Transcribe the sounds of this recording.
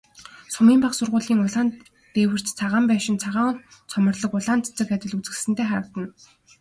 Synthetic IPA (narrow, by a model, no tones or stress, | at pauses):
sʊmiːmpaχsʊrʁʊːɮiːŋʊɮaːn | t̪eːwɘ̆r̥t͡ɕt͡sʰaʁaːmpæːʃɪ̆nt͡sʰaʁaːŋt͡sʰɔmə̆rɮɞ̆kʊɮaːnt͡sʰt͡sə̆kat̪ʲɪ̆ɮut͡sɘ̆sɘ̆nt̪ʰeːχaɾə̆wt̪ə̆n